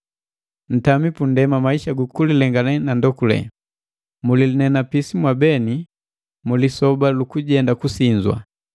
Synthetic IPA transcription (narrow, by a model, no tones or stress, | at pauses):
n̩tamipundɛmamaiʃaɡukulilɛŋɡanɛnandɔkulɛ̰ | mulilinɛnapisimwabɛni | mulisɔbalukuɟɛndakusiɲd͡ʒwa̰